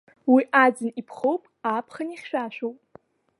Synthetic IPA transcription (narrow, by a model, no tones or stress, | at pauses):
wiʔad͡zɨnipʰχowpʼapʰχaniχʲʃᶣaʃʷᶣowpʼ